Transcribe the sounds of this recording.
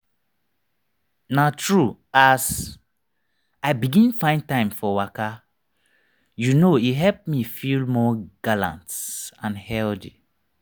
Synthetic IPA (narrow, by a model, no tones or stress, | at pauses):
natʰɹuaz | aɪbiɡĩnfãɪ̃ntãɪ̃mfɔwaka | junoiɦɛlp̚mifilmɔɡ̥alã̰ntãnhɛldi